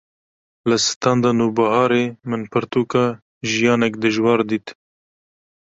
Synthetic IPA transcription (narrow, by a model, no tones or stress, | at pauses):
ləsɨ̥t̪ɑnd̪ɑnuːbɑɦɑːɾemɨnpʰɨɾt̪uːkɑ | ʒijɑːnɛkd̪ɨʒwɑːɾd̪iːt̪